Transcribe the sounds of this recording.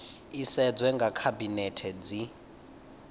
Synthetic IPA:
isɛd͡zwɛŋɡʱakʰabinɛtʰɛd͡zi

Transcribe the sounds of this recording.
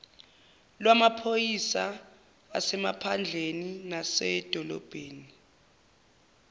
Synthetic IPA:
lwamapʰojisa | a̰sɛmapʰand͡ɮʱeninasɛd̥ʱɔlɔ̰b̥ʱeːni

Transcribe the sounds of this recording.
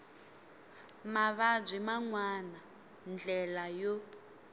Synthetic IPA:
maβab͡ʐʷimaŋwana | nd͡ɮɛlajo

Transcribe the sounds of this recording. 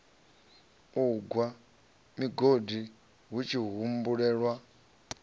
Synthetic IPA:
uɡwa | miɡodi | ɦut͡ʃʰiɦumbuɺɛːɺwa

